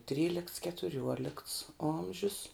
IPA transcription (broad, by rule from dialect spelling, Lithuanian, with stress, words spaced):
ˈtʲrʲiːlʲɪkts kʲɛtʊˈrʲuɔlʲɪkts ˈoːmʲʒʲʊs